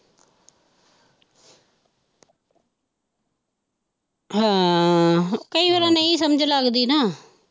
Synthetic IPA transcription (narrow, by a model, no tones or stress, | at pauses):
ɦãː | kəiːʋəɾãːnəĩːsəməd͡ʒləɡd̪iːnaː